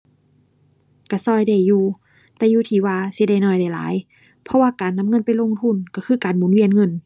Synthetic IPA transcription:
ka˧˩sɔː˧˩jda˧˩jːuː˧ | t̪ɛː˧juː˧˩t̪ʰiː˨˩waː˧si˧˦da˧˩jnɔː˧˩˨jda˧˩jla̰ː˨˦j | pʰɔ˧waː˧˨kaː˨nːa˧˨˧ŋɤ˧˨npa˨jlo˧˥˨ŋt̪ʰu˧˥˨nka˧˩kʰɯː˧˨kaː˨nmuː˨˦nwi˧ə˨nŋɤ˧˩˨n

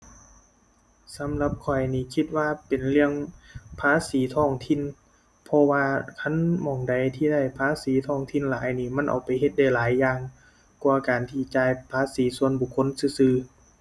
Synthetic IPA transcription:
sa˨˦mla˧p̚kʰɔ˨˩jniː˧˩kʰi˧t̪̚waː˧˨pe˨˩nlɯ˧əŋpʰaː˧˥˨siː˨˦t̪ʰɔː˧˩ŋt̪ʰi˧˥˨n | pʰɔ˧waː˧kʰa˧˥˨nmɔː˨˩ŋda˨˩jt̪ʰiː˧˩da˧˥˩jpʰaː˧˥˨siː˨˦t̪ʰɔː˧˩ŋt̪ʰi˧˨nlaː˨˦jniː˧˩ma˧˥˨nʔa̰˨˩wpa˨jɦe˧t̪̚da˧˩jlaː˨˦jːaː˧ŋ | kwaː˧˩kaː˨˩nt̪ʰiː˧˩t͡ɕaː˧jpʰaː˧˥siː˨˦su˧ənbu˧˩kʰːo˧˥˨nsɯː˧˩sɯː˧

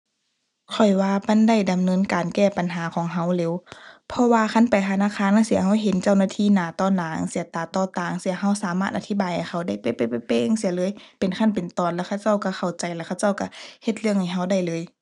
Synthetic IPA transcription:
kʰɔ˨˩jwaː˧ma˧˥˨nda˧˩jda˨mnɤː˧˥˨nkaː˨nkɛː˧˩pa˨nɦaː˨˦kʰɔː˨˦ŋɦa˧˩wleː˨˦˨wpʰɔ˧waː˧kʰa˧˥˨npa˨˩jt̪ʰa˧naː˧˥˨kʰaː˧˥˨n˨a˧˥˨si˧˦ɐɦa˧˥˩wɦe˨˦nt͡ɕa˧˨wnaː˧t̪ʰiː˧˨naː˨˦t̪ɔː˧˨naː˨˦ŋsi˨˦ɐt̪aː˨˩t̪ɔː˧˩t̪aː˨˩ŋsi˧˦ɐɦa˧˥˨wsaː˨˦maː˧˩t̪ʔa˨˧t̪ʰi˧˥˨baː˨jha˨˩jxʰa˧˩wda˧˥˩jpe˧˦pa˧˩pa˧˩peː˧ŋsi˨˦lɤː˧˦˨jpe˨nkʰa˧˥˩npe˨nt̪ɔː˨nlɛː˧kʰa˧˩˨wt͡ɕa˧˥˩wka˧˩xʰa˧˩wt͡ɕa˨jlɛ˧kʰa˧˨wt͡ɕa˥˨wka˧˩he˧t̪̚lɯ˥˩əŋha˧˩jɦa˧˥˩wda˧˩jlɤː˧˦j

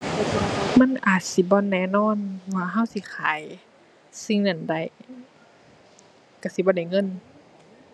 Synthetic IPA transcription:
lɛ˧˩a˧˩ma˧˥˨nʔaː˨˩t̪̚si˧˦bɔː˧˥˨nːɛː˧˨nɔː˧˥˨nwaː˧ɦa˧˥˨wsi˧˦xʰaː˨˦j | si˧˨ŋna˧˩˨nda˧˩j | ka˧˩si˧˦bɔː˧˦˨da˧˨˩jŋɤ˧˥˨n

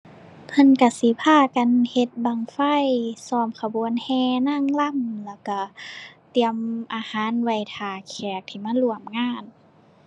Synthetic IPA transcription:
pʰɤ˧˥˨nka˧˩si˧˦pʰaː˧˥˩ka˧˨nhe˧˦t̪̚baː˧˩ŋfa˧˥˨jsɔː˧˩mkʰa˧bu˧˦ənhɛː˧na˧˥˨ŋla˧˨mlɛː˧˩ka˧˩t̪i˧˨əmʔaː˧haː˨˦˥nwa˧˩jt̪ʰaː˧˩kʰɛː˨˩k̚t̪ʰiː˧˩maː˧˥˨lu˧˩əmŋaː˧˩˨n

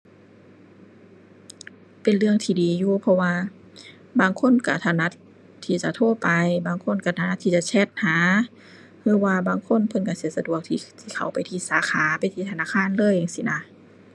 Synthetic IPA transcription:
pe˨nlɯ˧əŋt̪ʰiː˧diː˨juː˧pʰɔ˧waː˧ | baː˨˩ŋkʰo˧˥˨nka˧˩t̪ʰa˧˩na˧˥t̪ʰː | iː˧˩t͡ɕa˧˦t̪ʰoː˧˥˨pa˨jbaː˨˩ŋkʰo˧˥˨nka˧˩t̪ʰa˧na˧t̪ʰiː˧˩t͡ɕa˧˨t͡ɕʰɛ˧˩t̪̚haː˨˦ | hɯː˧˨waː˧baː˧˨ŋkʰo˧˥˨npʰɤ˧˥˨nka˧˩si˧˦əsa˧du˧˩˨ək̚t̪ʰi˧t̪ʰiː˧˩kʰa̰˨˩wpa˨jt̪ʰiː˧˩saː˨˦kʰaː˨˦pa˨jt̪ʰiː˧t̪ʰa˧naː˧˥˨kʰaː˧˥˨nlɤː˧˨jːa˧˨ŋsi˧na˧˥

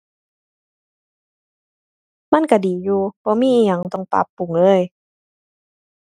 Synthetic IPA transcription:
ma˧˥˨nka˧˩diː˨˩˦juː˧b̥ɔː˧˦miː˧˥˨ʔi˧˩ɲa˨˩ŋt̪ɔ˧˩˨ŋpa̰˧˦pːu˨˩˦ŋlɤː˧˥˨j

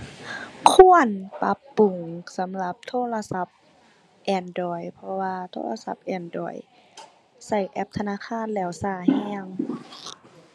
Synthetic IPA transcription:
kʰu˧˥˨ənpa˧˦pːu˨˩ŋsa˨˦mla˧˦p̚t̪ʰoː˧˥˨la˧sa˧˦p̚ | ʔɛː˧˩ndɔː˨˩jpʰɔ˧waː˧t̪ʰo̰ː˧˥˨la˧sa˧˦p̚ʔɛː˧˩ndɔ̰ː˧˩j | sa˧˩jʔɛ˧˦p̚t̪ʰa˧naː˧˥˨kʰaː˧˥˨nlɛː˧˩wsaː˧˩hɛː˧˩əŋ

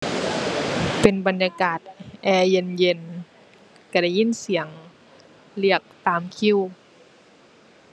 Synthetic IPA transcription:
pe˨˩nba˨njaː˧kaː˨˩t̪̚ʔɛː˧je˧nje˧n | ka˧˩da˧˩˨ji˧˥˨nsi˨˩˦əŋ | li˧˩ək̚t̪aː˨mkʰi˧˥˨w

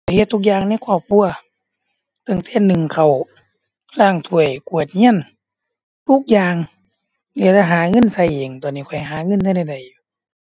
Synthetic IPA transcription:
kʰɔ˧˩jhe˧t̪ʰːu˧˥k̚jaː˧ŋna˧˥˨jkʰɔː˧˩p̚kʰu˧˨ɐ | t̪a˧˩˨ŋt̪ɛː˧˩˨nɯ˨ŋkʰa˧˩w | laː˧˩ŋt̪ʰu˧˩əjku˧˨˩ət̪̚ɲi˧˥˨ə˨n | t̪ʰu˧˥˨k̚jaː˧ŋ | lɛ˧t̪a˧˩ɦaː˨˦ŋɤ˧˥˨nsa˧˩˨jʔe˨˩ŋt̪ɔː˧˩˨nːiː˧˩kʰɔ˧˩˦jɦaː˨˦ŋɤ˧˥˨ntʰa˧˨da˧˨jda˨˧˩j

